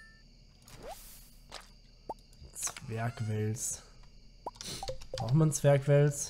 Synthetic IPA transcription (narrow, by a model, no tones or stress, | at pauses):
t͡sv̥ɛɐkvɛls | bʁaʊχmant͡sv̥ɛɐkv̥ɛls